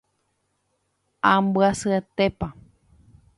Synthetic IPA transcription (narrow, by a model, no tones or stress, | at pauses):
ãmbɨasɨet̪epa